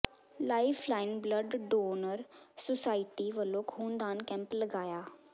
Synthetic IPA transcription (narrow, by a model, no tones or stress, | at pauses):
laːipʰlaːɪnbləɖɖoːnəɾsosaːiʈiːʋəlːõːkʰuːnd̪aːnkɛ̃ːmpləɡaːjaː